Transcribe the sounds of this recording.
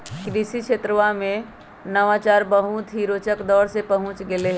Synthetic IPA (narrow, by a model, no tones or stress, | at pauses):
kɾiʃikʃet̪ɾəʋamẽ | nəʋat͡ʃaːɾbəɦũt̪ʰɦiɾoːt͡ʃəkd̪ɔːɾsepɐɦʊ̃t͡ʃɡɪleɦ